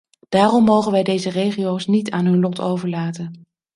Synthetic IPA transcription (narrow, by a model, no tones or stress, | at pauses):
d̥aːrɔmːowχənʋɛjdejzərejχiowsnitaːnɦɵnlɔtʰowvəɹlaːtən